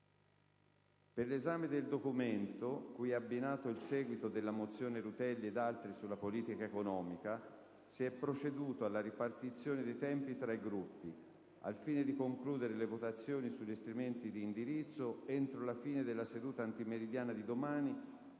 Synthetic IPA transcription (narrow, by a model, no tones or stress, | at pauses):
perlezaːmed̪eld̪okument̪okujɛabːinaːt̪oilsɛːɡwit̪od̪elːamot̪sːjoːneɾut̪ɛlːied̪alt̪ɾisulːapoliːt̪ikaekonɔːmika | siɛpːɾot͡ʃed̪uːt̪oalːaɾipart̪it̪sːjoːned̪ejt̪ɛmpit̪ɾaiɡɾupːi | a̰lfiːned̪ikoŋkluːd̪eɾelevot̪at̪sːjoːnisuʎːist̪ɾiment̪id̪iːnd̪iɾit̪sːoent̪ɾolafiːned̪elːased̪uːt̪aːnt̪imeɾid̪jaːnad̪id̪omaːni